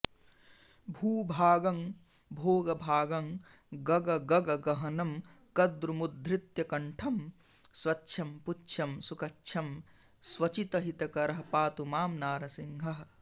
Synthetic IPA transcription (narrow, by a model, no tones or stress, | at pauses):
bʱuːbʱaːɡɐŋ | bʱoːɡɐbʱaːɡɐŋ | ɡɐɡɐɡɐɡɐɡɐɦɐnɐm | kɐd̪ɾumud̪ʱːɾɪt̪jɐkɐɳʈʰɐm | swɐtːʃʰɐmputːʃʰɐmsukɐtːʃʰɐm | swɐt͡ʃit̪ɐɦit̪ɐkɐɾɐɦɐpaːt̪umaːmnaːɾɐsiŋɡʱɐɦ